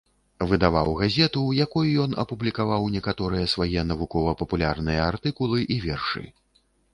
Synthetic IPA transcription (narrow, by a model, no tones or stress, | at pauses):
vɨd̪avawɣazʲɛt̪ujakɔjujɔnɐ̰publʲikavawnʲɛkat̪ɔɾɨjɐsvajɛnɐvukɔvɐpɐpulʲarnɨjɐart̪ɨkulˠɨʔivʲɛrʂɨ̰